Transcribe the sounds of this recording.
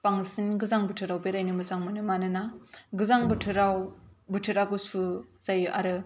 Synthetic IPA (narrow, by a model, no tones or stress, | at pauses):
paŋsinɡɯzaŋbɯtʰɯɾawbeɾajnɯmɯzaŋmɯnɯmanɯnaɡɯzaŋbɯtʰɯɾawbɯtʰɯɾaɡɯsuz̥ajʔa̰ɾɯ